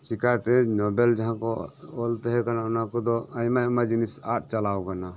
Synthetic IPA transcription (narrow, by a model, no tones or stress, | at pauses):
t͡ʃikat̪ɛnɔbɛld͡ʒaɦãkɔɔlt̪ɛɦɛkanaɔnakɔd̪ɔajmajmad͡ʒinisa̰ʈ̚t͡ʃalawkana